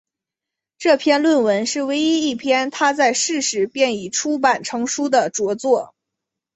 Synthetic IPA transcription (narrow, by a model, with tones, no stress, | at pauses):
ʈ͡ʂɤ˥˧pʰjɛ˥˧nlwə˥˩nwə˧˥nʂɻ̩˥˩we˧˥ɪi˥i˥˩pʰjɛ˥nt̪ʰa˥t͡sa˥˧ɪʂɻ̩˥˩ʂɻ̩˧˥pjɛ˥˩ni˨˩ʈ͡ʂʰu˥pa˨˩nʈ͡ʂʰɤ˧˥ŋʂu˥d̪ə˨ʈ͡ʂwɔ˧˥t͡swɔ˥˩